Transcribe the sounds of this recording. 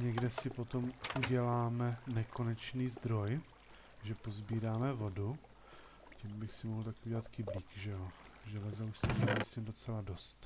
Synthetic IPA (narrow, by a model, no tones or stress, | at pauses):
ɲɛɡdɛsɪpo̞t̪o̞mʔuɟɛlaːmɛnɛko̞nɛt͡ʃniːzd̪ɾo̞j | ʒɛpo̞zbiːɾaːmɛvo̞du | cimbɪxsɪmoɦl̩t̪akɪʔuɟɛlat̪kɪbliːkʒɛo | ʒɛlɛzauʃsɛɛmisimdo̞t͡sɛlado̞st̪